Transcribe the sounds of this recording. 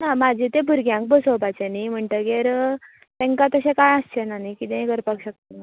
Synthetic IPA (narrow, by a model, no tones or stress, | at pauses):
namad͡ʑʱit̪ebʱuɾɡjãŋk̚bəsopat͡ɕenim̤əɳʈ̪əɡeɾ | t̪ẽŋkat̪əɕẽkajəst͡ɕenanikit̪ẽɡəɾpəkɕək̚t̪əna